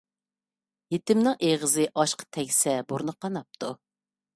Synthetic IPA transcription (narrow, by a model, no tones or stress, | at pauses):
jet̪ɪmnɪŋeʁəzɨʔɑʃqʰə̥t̪ʰɛkʲsɛbuɾnɨqʰɑnɑp̚t̪ʰu